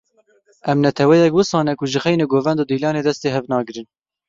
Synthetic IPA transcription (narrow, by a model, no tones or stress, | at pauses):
ʔɛmnɛt̪ʰɛwɛjɛk̚wɨsɑːnɛkʊʒɨxɛjnɨɡoːvɛnd̪oːd̪iːlɑːneːd̪ɛst̪eːɦɛvnɑːɡɨɾɨn